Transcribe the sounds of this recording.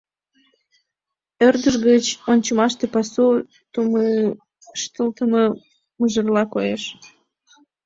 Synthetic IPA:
ørd̪əʒɣət͡ɕonʲt͡ɕəmɑʃt̪epɑsu | t̪um | ʃt̪əlt̪əmə | muʒərlɑkojeʃ

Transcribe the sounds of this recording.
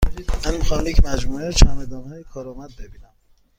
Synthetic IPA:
mænmixɒːmjecʲʰmæd͡ʒmuːet͡ʃʰæmed̪ɒːmɛjekʰɒːɾɒːmæd̪̚bebiːnæm

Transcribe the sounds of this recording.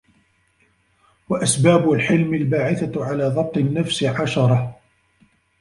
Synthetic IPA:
waʔasbaːbʊlħɪlmɪlbaːʕɪθaʕalaːðˤɑb̚t̪ˤɪnːafsʕaʃɑɾˤɑh

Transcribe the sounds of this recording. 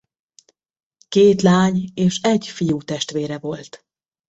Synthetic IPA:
keːt̪laːɲeːʃɛɟfijuːt̪ɛʃt̪ʋeːɾɛvo̞lt̪

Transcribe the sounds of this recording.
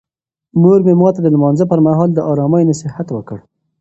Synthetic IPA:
moɾmemɑt̪ad̪əlmɑnzəpəɾmaɦɑld̪əʔɑɾɑmajnosɪhat̪wəkəɽ

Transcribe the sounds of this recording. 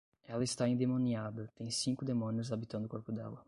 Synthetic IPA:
ɛlɐɪst̪aĩd̪emõniad̪ɐt̪ẽj̃sĩŋkʊd̪emõniʊzabit̪ɐ̃nd̪ʊkoɾpʊd̪ɛ̰lɐ

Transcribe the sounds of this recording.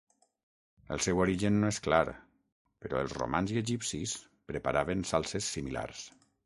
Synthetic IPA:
ə̰lˠsɛwoɾiʒənːoesklaɾ | pəɾɔ̰əlˠzro̰manziəʒipsis | pɾəpaɾaβənsalˠsesːimila̰ɾs

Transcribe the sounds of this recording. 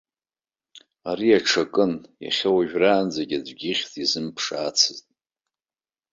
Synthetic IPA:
aɾiaʈ͡ʂʰakʼɨnja̰χʲawaʒᶣraːnd͡zaɡʲadʷɡʲiχʲtʼizɨmpʰʂaːt͡sʰɨztʼ

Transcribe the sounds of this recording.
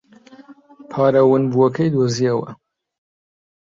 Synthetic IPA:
pʰɑːɾɐwɨnbuɐkʰɐjd̪oziɐwɐ̰

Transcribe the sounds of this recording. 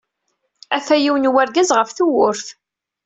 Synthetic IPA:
æθæjiwənwæɾɡæzʁəfθuwʊɾθ

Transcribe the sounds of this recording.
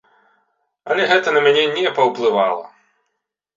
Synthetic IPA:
ɐlʲɛɣɛt̪ɐnɐmʲanʲɛnʲɛpɐwplˠɨvalˠɐ̰

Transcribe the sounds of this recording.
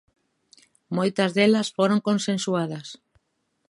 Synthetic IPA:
mojt̪ɐzðelɐsfoɾõŋkonsẽnsuað̞ɐs

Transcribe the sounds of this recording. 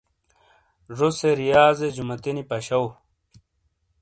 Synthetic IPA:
ʐoseɾijaːzed͡ʑumɐt̪inipɐɕɐw

